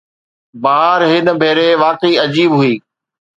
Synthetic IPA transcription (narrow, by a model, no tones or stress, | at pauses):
baːɾɦɪnə̆bʱeːɾeʋaːqiːɐd͡ʑiːbɦʊiː